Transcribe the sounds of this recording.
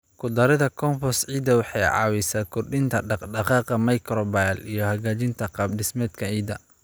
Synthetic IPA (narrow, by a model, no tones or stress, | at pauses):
kʰʊd̪ɐɾɪðɐkʰɔmfɔsʕiːd̪ɐwɑħɑjʕɑ̰ːwɛsaːkʰɔrɖɪnt̪ʰɐɖɑɖɑqɑːqɐmɐjkʰɾɔbajlijɞhɐɣaːt͡ʃɪnt̪ʰɐqɑːb̚ɖɪsmɛːd̪kʰɐʕiːd̪ɐ